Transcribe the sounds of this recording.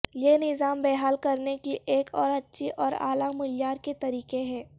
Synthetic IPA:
jenɪzaːmbɛːɦaːlkɐɾnekiʔeːkɔːɾɐtːʃʰiʔɔːɾa̰ːlamʊljaːɾket̪ɐɾiːqeɦɛ̃ː

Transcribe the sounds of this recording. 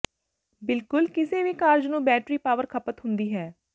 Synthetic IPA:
bɪlkʊlkɪseːʋiːkaːɾd͡ʒnũːbɛːʈɾiːpaːʋəɾkʰəpət̪ɦʊnd̪iːɦɛː

